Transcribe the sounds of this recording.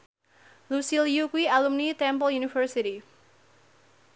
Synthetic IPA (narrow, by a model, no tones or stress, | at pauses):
lusiljukwialumnit̪ɛ̃mpɔljunifərsiɾi